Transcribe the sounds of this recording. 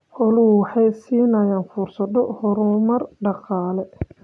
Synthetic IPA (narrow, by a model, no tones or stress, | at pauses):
ħɔlʊwʊwɑħɑjsiːnɐjaːnfuːrsɐd̪ɔhɔɾʊmɐrɖɑqɑːlɛ